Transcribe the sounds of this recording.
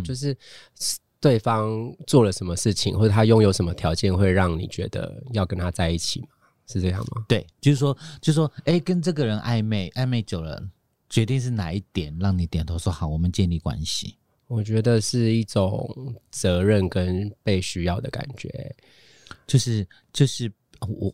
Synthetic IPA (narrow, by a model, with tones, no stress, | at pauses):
t͡ɕjo˥˧ʊʂ̬ɻ̩˥˧ | t̪we˥˩ɪfɑ˦ŋt͡swɔ˥˨˩lə˨˩ʂə˧˦nmə˧ʂɻ̩˥˩t͡ɕʰi˨ŋxwɔ˥˧˩ɤ˥˩t̪ʰa˥jʊ˥˧ŋjo˨˧˥ʊʂə˧˦mə˧t̪ʰjɑ˧˥ʊt͡ɕjɛ˥˧nxwe˥˧ɪɻɑ˥˩ŋnḭ˨˩t͡ɕɥɛ̰˧˥d̪ə̰˧˩jɑ˥˩ʊkə˦nt̪ʰa˥t͡sa˥˧ɪi˥˩t͡ɕʰi˨˩ma˩ | ʂɻ̩˥˧ʈ͡ʂɤ˥˧jɑ̰˥˩ŋmɐ̰˩t̪we˥˩ɪt͡ɕjo˥˧ʊʂ̩˥˩ʂwɔ˥t͡ɕjo˥˧ʊʂ̩˥˩ʂwɔ˥e˥˩ɪkə˦nʈ͡ʂɤ˥˩ɡə˨˩ɻə˧˦nʔa̰˥˧ɪme˥˩ɪʔa˥˧ɪme˥˩ɪt͡ɕjo˨˩ʊɻə̰˧˦n | t͡ɕɥɛ˧˦˥t̪i˥˧ŋʂ̬ɻ̩˥˩na˨˦i˥˩t̪jɛ˨˩nɻɑ˥˩ŋni˨˥t̪jɛ˨˩nt̪ʰo˧˥ʊʂwɔ˥xɑ˨˩˦wɔ˨˩mə˨˦nt͡ɕjɛ˥˧nli˥˩kwa̰˦nɕḭ˨ | wɔ˨˩t͡ɕɥɛ˧˥d̪ə˨ʂɻ̩˥˧i˥˩ʈ͡ʂʊ˨˩ŋt͡sɤ˧˥ɻə˥˨nkə˦npe˥˩ɪɕy˥jɑ˥˩ʊd̪ə˩ka̰˨˩nt͡ɕɥɛ̰˧˦ | t͡ɕjo˥˧ʊʂɻ̩˥˩ | t͡ɕjo˥˧ʊʂɻ̩˥˨ | wɔ˨˩